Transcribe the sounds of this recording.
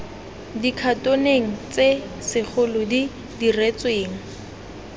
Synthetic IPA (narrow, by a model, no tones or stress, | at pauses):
dikʰatoneŋ̩t͡se | sɪk͡xʰʊlʊdi | diret͡sweːŋ̩